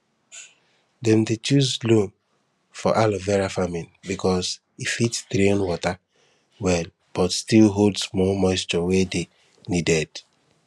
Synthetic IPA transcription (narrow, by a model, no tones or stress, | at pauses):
dɛ̃mdet͡ʃuzlõn | fɔʔalɔvɛɹafamĩnbikɔs | ifitsdɾẽnwɔta | wɛl | b̥ɔtstilɦodsmɔmɔɪst͡ʃɔwede | nidɛd